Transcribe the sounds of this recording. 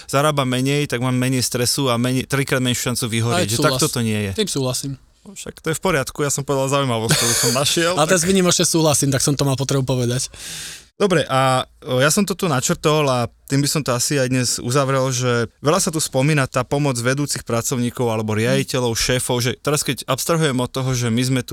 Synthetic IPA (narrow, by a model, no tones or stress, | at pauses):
z̥aɾaːbamɛɲɛjt̪aɡmaːmːɛɲɛjst̪ɾɛsuamɛɲɛjt̪ɾikɾaːd̪mɛɲuʃant͡suʋiɦɔɾiɟʒɛt̪akt̪ɔt̪ɔɲɪɛjɛt̪imsuːɦlasim | ɔʃa̰kt̪ɔjɛfpɔɾɪat̪kujasɔmpɔʋɛd̪alzaujmaʋɔst̪ɔbisɔmnaʃɪɛlat̪ɛɾazʋiɲimɔt͡ʃɲɛsuːɦlasimt̪aksɔmt̪ɔmaːlpɔt̪ɾɛbupɔʋɛd̪acd̪̥ɔbɾɛʔajasɔmt̪ɔt̪unat͡ʃr̩t̪ɔlat̪iːmbisɔmt̪ɔasiajd̪ɲɛzṵzaʋɾɛlʒɛʋɛʎasat̪uspɔmiːnat̪aːpɔmɔd͡zʋɛd̪uːt͡sixpɾat͡sɔʊɲiːkɔʊalɛbɔɾɪaɟicɛʎɔʊʃɛːfɔʊʒɛt̪ɛɾaskɛcɔpst̪ɾaɦujɛmɔt̪ːɔɦɔʒɛmizmɛt̪u